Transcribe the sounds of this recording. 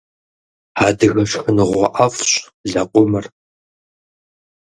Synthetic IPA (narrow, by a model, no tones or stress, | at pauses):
ħaːdɨɣɐɕxɨnɨʁʷɔʔɐfɕʼ | ɮɐqʷʊmɨr